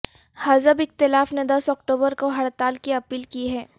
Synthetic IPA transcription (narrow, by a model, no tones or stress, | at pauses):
hɐzəbɪxt̪ɪlaːfned̪ɐsɔːk̚ʈoːbəɾkoɦɐɽt̪aːlkiɐpiːlkiɦɛː